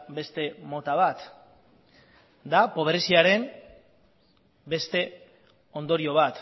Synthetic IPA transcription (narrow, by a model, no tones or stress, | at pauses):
be̞st̪e̞mo̞t̪aβ̞at̪ | d̪apo̞βɾesiaɾe̞m | be̞st̪e̞ | o̞nd̪o̞ɾio̞β̞at̪